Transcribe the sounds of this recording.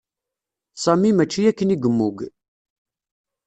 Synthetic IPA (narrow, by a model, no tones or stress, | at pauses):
sˤæmimæt͡ʃːijækːəniɡəmːuɡ